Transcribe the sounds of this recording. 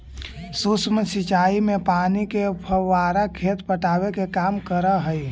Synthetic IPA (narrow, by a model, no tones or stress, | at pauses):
susməsit͡ʃaːimẽpaːnikepʰəʋaːɾakʰet̪pəʈaːwekekaːmkəɾəɦəi